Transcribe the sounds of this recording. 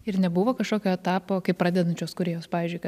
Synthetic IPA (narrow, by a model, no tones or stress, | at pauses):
ɪɾnʲɛbuʋoːkɐʃkoːkʲoːɛt̪ɑːpoːkɐɪpɾɑːd̪ʲɛd̪ɐnʲt͡ʃʲuːskʊɾʲeːjoːspɑːʋʲiːzʲd͡ʒʲʊɪkɐ